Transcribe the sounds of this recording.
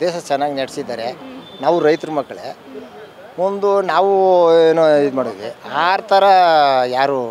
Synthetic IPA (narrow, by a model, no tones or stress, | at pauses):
d̪eːʃɐt͡ʃɛnːaːɡinɐɽisid̪aːɾenaːʋuɾɐjt̪ɐɾumɐkːɐɭḛ | ond̪unaːʋueːnoid̪umaːɽoʋiaːɾt̪ʰɐɾɐjaːɾu